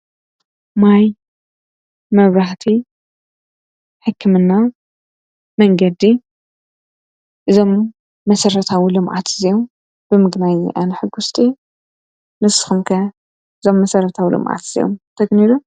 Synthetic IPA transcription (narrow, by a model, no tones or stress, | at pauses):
maj | mɐβɾaħt̪ʰi | ħɨkʰːɨmɨnːa | mɐŋɡɐd̪i | ʔɨzo̞mː | ɐsɐɾɐt̪ʰawilɨmʔa̰t̪zijom | b̥ɨmɨɡnajʔanɨħɨɡust̪ʼi | nɨsɨ̥xumkʰɐ | ʔɨzo̞mːɐsɐɾɐt̪ʰawḭlɨ̰mʔa̰t̪z̥ḭjo̰mt̪ʰɐɡniɾu